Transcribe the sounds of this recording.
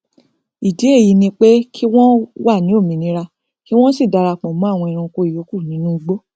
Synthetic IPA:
i˨de˨˦e˦˨ji˨˧nĩ˧k͡pe˦kʰi˦w̃ɔ̃˦wa˦˨nĩ˨˦o˦˨mĩ˨nĩ˧˦ɾa˧ | ki˦w̃ɔ̃˦si˦˨da˧ɾa˧˨k͡pɔ̃˨mɔ̃˨˦a˦˨w̃ɔ̃˧i˧ɾ̃ũ˧ko˧i˨jo˨˦ku˦˨nĩ˨˦nũ˦i˧ɡ͡bo˦

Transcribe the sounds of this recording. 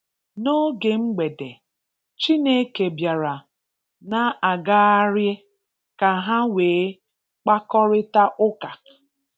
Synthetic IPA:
no˦ɡe˨ŋ͡m̩˦ɡ͡be˨de˨ | t͡ʃi˦ne˦ke˨bja˨ɾa˨ | na˦ʔa˨ɡa˦a˦ɾje˦ | ka˨ɦa˦weː˨˦ | k͡pa˦kɔ˦ɾɪ˦ta˦ʔʊ˦ka˨

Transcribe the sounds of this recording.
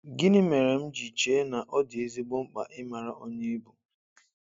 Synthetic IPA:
ɡi˦nɪ˦me˨ɾe˨m̩˦d͡ʒi˨t͡ʃe˦na˨ʔɔ˦dɪ˨e˦zi˦ɡ͡bʊ˦ŋ͡m̩˦k͡pa̰˨ʔɪ˦ma˨ɾa˦ʔo˦ɲe˦i˦bu˨

